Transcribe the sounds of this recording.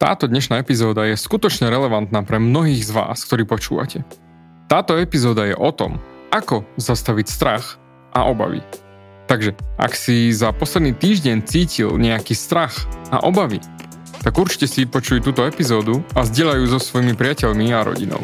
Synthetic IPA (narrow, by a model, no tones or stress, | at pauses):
t̪a̰ːt̪ɔd̪ɲɛʃnaːɛpizɔːd̪ajɛskut̪ɔt͡ʃɲɛɾɛlɛʋant̪naːpɾɛmnɔɦiːɣzʋa̰ːsk̚t̪ɔɾiːpɔt͡ʃṵːʋa̰cɛ | t̪aːt̪ɔɛpizɔːd̪ajɛ̰ʔɔt̪ɔ̰makɔzast̪aʋicst̪ɾax | ʔaʔɔba̰ʋḭ | t̪aɡʒɛʔa̰ksizapɔslɛd̪niːt̪iːʒɟɛɲt͡siːcilɲɛakiːst̪ɾaxa̰ʔɔbaʋi | t̪aɡuɾt͡ʃi̥cɛsiipɔt͡ʃujut̪uːt̪ɔɛpizɔːd̪uazɟɪɛʎajuːzɔsʋɔjmipɾɪacɛʎmiaɾɔ̰ɟḭnɔ̰ʊ